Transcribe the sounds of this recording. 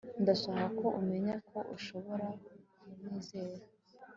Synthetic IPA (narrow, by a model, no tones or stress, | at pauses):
ndasaɦako̞ʔume̞ɲakʰo̞ʔuʃo̞βo̞ɾa | umniːze̞ːɾa